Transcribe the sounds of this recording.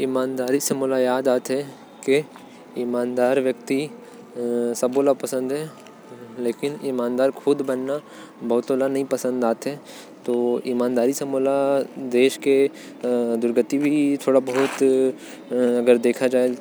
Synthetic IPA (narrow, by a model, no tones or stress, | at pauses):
ɪmaːnd̪aːɾisemoːlajaːd̪aːt̪ɦɛ | ke | ɪmaːnd̪aːɾʋjək̚t̪i | sɐboːlapɐsə̃nd̪ɦɛ | leːkɪnɪmaːnd̪aːɾkʰʊd̪bɐnːa | bɐɦʊt̪oːlanɐɦĩpɐsə̃nd̪aːt̪ɦɛ | t̪oːimaːnd̪aːɾisemoːlad̪eːʃke | d̪ʊɾɡət̪ibʱit̪ʰoːɽabɐɦʊt̪ | ɐɡəɾd̪eːkʰad͡ʒaːe